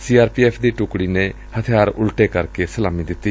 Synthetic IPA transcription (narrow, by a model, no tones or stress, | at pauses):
siːaːɾpiːɛːpʰd̪iːʈʊkɽiːneː | hət̪ʰjaːɾʊ̰lʈeːkəɾkesəlaːmiːd̪ɪt̪ːiː